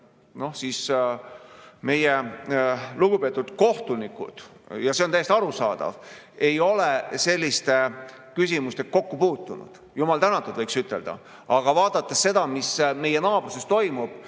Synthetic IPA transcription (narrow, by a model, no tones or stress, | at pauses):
no̞hsiːs | me̞je | luɡ̥upe̞ːt̪ːˑud̪̥ko̞ht̪unikˑṵd̪̥jɑseonæjest̪ɑɾusɑ̰ːd̪̥ɑ̰v | e̞jo̞lese̞lʲːist̪e | kysʲimust̪ek̚ko̞kːupuːt̪ːˑunṵd̪̥ | jumɑlt̪ænɑt̪ːˑud̪vɤjksyt̪ːˑeld̪̥ɑ̰ | ɑɡ̥ɑvɑːd̪̥ɑt̪ːˑesse̞d̪̥ɑmisme̞je̞nɑːb̥ruse̞st̪o̞jmub̥